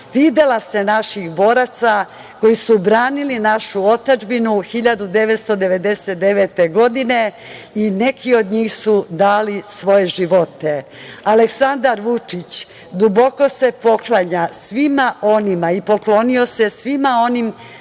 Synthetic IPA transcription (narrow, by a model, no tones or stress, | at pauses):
st̪iːd̪elase̞naʃixbo̞ɾat̪sa | ko̞jisubɾaːnilinaʃuo̞t̪ad͡ʒbinuxiʎad̪ud̪e̞ʋet̪st̪o̞d̪e̞ʋe̞d̪e̞set̪̚d̪eʋet̪eɡo̞d̪ine̞ | ine̞kʰio̞d̪ɲiːxsud̪aːlisʋo̞je̞ʒiʋo̞t̪e̞ | aleksand̪aɾʋut͡ʂit͡ɕ | d̪ubo̞ko̞se̞po̞klaɲasʋimaʔo̞nimaipo̞klo̞nio̞se̞sʋimao̞nim